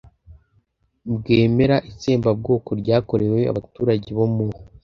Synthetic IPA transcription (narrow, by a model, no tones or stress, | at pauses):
bɡeːme̞ɾaʔit͡seːmbab̚ɡo̞ːko̞ɾɟaːko̞ɾe̞wea̰βatuːɾaɟeβo̞mu